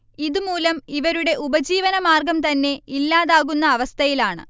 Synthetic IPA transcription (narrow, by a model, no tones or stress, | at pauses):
iðumuːlɐmiʋɐɾuɽe̞ʔubɐd͡ʑiːʋɐnɐmaːrɡɐmt̪ɐnːe̞ilːaːðaːɣunːɐːʋɐst̪ʰɐjilaːɳɨ̰